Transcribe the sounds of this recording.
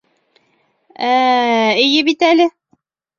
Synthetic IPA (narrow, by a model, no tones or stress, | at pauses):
æijɘbit̪ælɘ